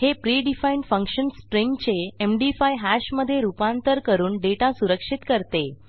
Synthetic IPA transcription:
hepɾiɖifaiɳʈfə̃ŋkʂənsʈɾiŋɡt͡seemɖifajɦæɕməd̪ʱːjeɾupãnt̪əɾkəɾuːnɖeʈasuɾəkʂit̪kəɾt̪e

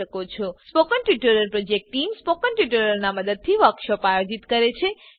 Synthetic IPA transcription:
əkot͡ʃʰɔspokəɳʈuʈuɾəlpɾod͡ʒek̚ʈʈːimspokəɳʈuʈuɾəɾnaməd̪əd̪̚t̪ʰiʋəkʃɔpajod͡ʒit̪kəɾet͡ʃʰe

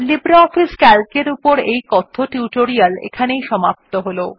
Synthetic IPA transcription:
libɾaɔfiskɛlkeɾupoɾejkɔt̪ʰːoʈuʈoɾialḛkʰanejʃɔmap̚t̪oɦolo

